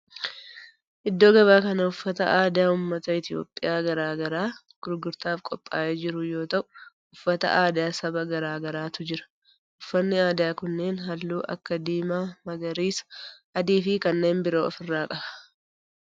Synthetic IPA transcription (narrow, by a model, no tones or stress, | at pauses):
ʔɪd̪ːo̞ːɡɐbaːkɐnɐʊfːɐt̪ɐ̰ʔaːd̪ɪjaːʊmːɐt̪ɐɪt̪ɪjo̰ːpʼːɪjaːɡɐɾaːɡɐɾaː | ɡ̥ʊɾɡʊɾt̪aːfkʼɔpʼːa̰ːʔeːd͡ʒɪɾʊjo̞ːt̪ɐʔʊ̥ | ʊfːɐt̪ɐ̰ʔaːd̪ɪjaːsɐbɐɡɐɾaːɡɐɾaːt̪ʊd͡ʒɪɾɐ̥ | ʔʊfːɐnːɪaːd̪ɪjaːkʊnːe̞ːnɦɐlːuːʔɐ̰kːɐd̪iːmaːmɐɡɐɾiːsɐ̥ʔɐd̪iːfɪkɐnːe̞ːnbɪɾo̞ːɔ̰fɪrːaːkʼɐbɐ̥